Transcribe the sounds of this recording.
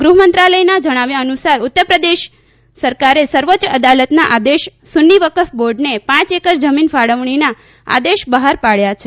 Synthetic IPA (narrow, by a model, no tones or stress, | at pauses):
ɡɾuɦmənt̪ɾaləjnad͡ʒəɽ̃aʋjaənusaɾʊt̪ːəɾpɾəd̪eʃ | səɾkaɾesəɾʋot͡ʃəd̪alət̪naʔad̪eʃsunːiʋəkəfʰboɾɖnepãt͡ʃekəɾd͡ʒəminfaɽəʋɳ̃ina | a̰d̪eʃbəɦaɾpaɭjat͡ʃʰe